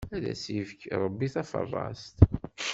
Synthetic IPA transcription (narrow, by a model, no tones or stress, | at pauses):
æðæ̰sivkɾˤəbːiθæfə̰rˤːɑst̪